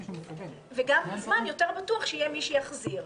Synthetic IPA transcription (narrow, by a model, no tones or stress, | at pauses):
veɡamazmanjoteʁbatuaχʃeijemiʃijaχziʁ